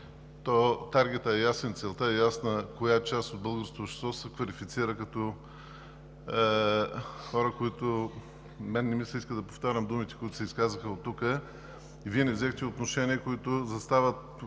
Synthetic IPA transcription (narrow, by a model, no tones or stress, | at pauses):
t̪ɔt̪aɾɡʲɛt̪əɛjasɛnt̪sɛlˠt̪aɛjasnəkojat͡ʃast̪od̪̚bɤlˠɡəɾskoʃɛ̥st̪vɔsəkvɐlifit̪siɾəkɐt̪ɔ | xɔɾəkoit̪ʊ | mɛnːɛmislʲɐiskəd̪ɐpoft̪aɾʲəmd̪umit̪ɛ̥koit̪ʊ̥sɛiskazəxəot̪ːukə | iviɛnɛvzɛxt̪ɛot̪noʃɛniəkoit̪ʊzɐst̪avət̪̚